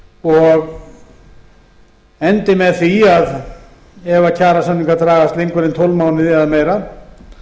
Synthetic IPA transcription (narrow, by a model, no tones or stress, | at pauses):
ɔɣ | ɛnt̪ɪmɛðθiað | ɛvacʰaːɾasaniŋkat̪ɾaːɣast̪lejŋkvɪɾɪnt̪ʰowlvmaːwnɪðɪaðmeːjɾa